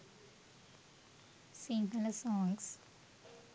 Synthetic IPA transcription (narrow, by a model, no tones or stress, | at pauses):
siŋɡɐlsɔ̃ːŋɡs